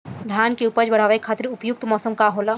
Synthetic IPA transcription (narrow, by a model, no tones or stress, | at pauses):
d̪ʱjaːnkeupəd͡ʒbɐɽ̤aːʋekʰaːt̪ɾʊpjʊk̚t̪mɔːsəmkaɦoːla